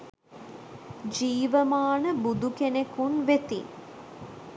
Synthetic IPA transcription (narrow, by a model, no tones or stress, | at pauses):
d͡ʒiːʋəmaːnəbud̪ukenekunʋet̪ḭn